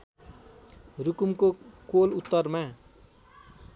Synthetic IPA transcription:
rukumkokolut̪ːʌrma

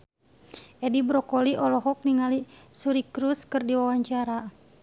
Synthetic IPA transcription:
ɛdibɾɔkɔliʔɔlɔɦɔk̚niŋalisuɾikɾuskɨrdiwawaɲt͡ʃaɾa

